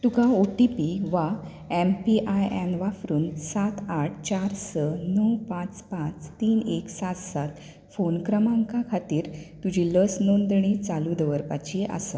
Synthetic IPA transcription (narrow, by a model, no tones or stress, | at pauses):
t̪ukʰãoʈipiʋa | ɛmpiʔajɛ̃nʋafɾuːnsat̪ʰaʈʰt͡ɕaɾsənəwpãt͡spãt͡st̪iːneksat̪sat̪ | fonkɾəmãŋkakʰat̪iːɾt̪ud͡ʑiləsnond̪ɽ̃it͡salud̪əʋəɾpat͡ɕiʔa̰sa